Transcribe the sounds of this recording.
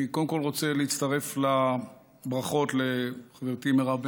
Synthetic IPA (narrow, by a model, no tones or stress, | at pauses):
ikodemko̞lʁo̞t͡seleit͡st̪aʁe̞fla | bʁaχo̞tleχaveʁt̪imeʁab